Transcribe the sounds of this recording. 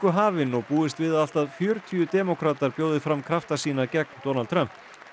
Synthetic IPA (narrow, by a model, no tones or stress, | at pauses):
kʏɦaːvɪnɔɣpuːðɪst̪vɪðal̥t̪aðfjœːɾʏt̪ʰiːʏt̪ɛːmɔkʰɾaːt̪aɾpjoːwðɪfɾamkʰɾaft̪asiːnacɛk̚nt̪oːnalt̪ʰɾœm̥p